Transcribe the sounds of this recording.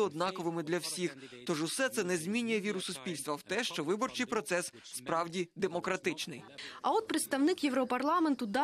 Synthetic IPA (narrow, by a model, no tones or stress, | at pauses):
ɔd̪̚nɑkɔʋɪmɪd̪lʲɐwsʲixt̪ɔʒʊsɛt̪sɛnɛzʲmʲinʲːʊjɛʋʲiɾʊsʊsʲpʲilʲst̪ʋɐwt̪ɛʃt͡ʃɔʋɪbɔrt͡ʃɪjpɾɔt̪sɛsːpɾɑwdʲid̪emɔkɾɐt̪ɪt͡ʃnɪ̰jɐɔt̪̚pɾɪt̪st̪ɐwnɪkjeʋɾɔpɐrlˠɑment̪ʊd̪ɑ